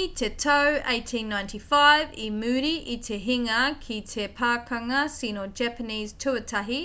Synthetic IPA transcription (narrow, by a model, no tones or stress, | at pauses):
it̪ʰetʰɐwʔeɪtʰĩnːaj̃ntʰifaɪvimʉːɾiʔit̪ʰeɦiŋɐkʰitʰepʰaːkʰɐŋɐsinod͡ʒæpəniːz̥tʰʉətʰɐɦi